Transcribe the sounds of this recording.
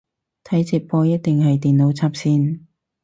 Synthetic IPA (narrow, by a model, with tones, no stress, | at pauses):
t̪ʰɐ˨˥jt͡siː˧p̚pɔː˧jɐ˥t̚t̪ɪ˨ŋɦɐ˨jt̪iː˨nlo˨˥wt͡sʰaː˧˥p̚siː˧n